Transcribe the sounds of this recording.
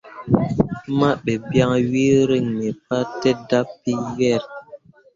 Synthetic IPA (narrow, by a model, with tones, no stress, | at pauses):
ma˦ɓɛ˨bja˦ŋwi˦ɾi˦˨ŋmɛ˨p̚a˦tɛ˦da˦pːi˦jɛ˦˨ɾ